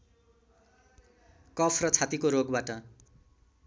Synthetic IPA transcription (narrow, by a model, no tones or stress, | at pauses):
kʌpʰrʌt͡sʰat̪ikoɾoɡbaʈʌ